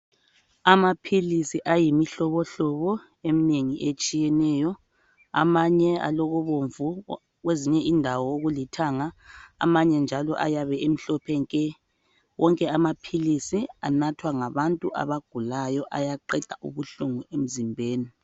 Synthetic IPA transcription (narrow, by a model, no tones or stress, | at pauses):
amapʰilisiʔajimiɬɔβɔɬɔβɔ | emineŋiʔet͡ʃʼijɛnɛːjɔ | a̰maɲɛa̰lɔɣɔβoɱvu | ɣweziɲɛʔindʱawɔoɣulitʰaŋa̰ːmaɲɛnd͡ʒʱalɔ̰ʔa̰jaβɛem̩ɬɔpʰɛŋkʼɛ | wɔŋkʼɛamapʰilisia̰natʰwaŋaβantʼuʔa̰βaɡ̥ʱulajɔʔajaǃɛd̥ʱaʔṵβuɬuŋuem̩zimbʱeːni